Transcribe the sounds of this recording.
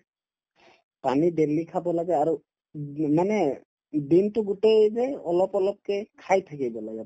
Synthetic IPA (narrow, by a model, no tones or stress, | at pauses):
panidelikʰabɔlaɡɛaɹu | manɛ | bintʊɡutejzɛɔlɔpɔlɔp̚kɛkʰajtʰakibɔlaɡɛ